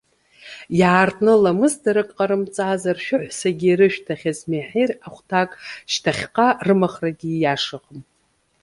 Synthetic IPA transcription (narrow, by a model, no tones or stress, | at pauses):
jaːrtʼnɨlamɨzdaɾɨkʼqʼaɾɨmt͡sʼaːzarʃᶣʊħʷsaɡʲiːɾɨʃᶣtʰaχʲazmeħejraχʷtʰakʼʃtʰaχʲqʼarɨmaχraɡʲijaʂaqʼəm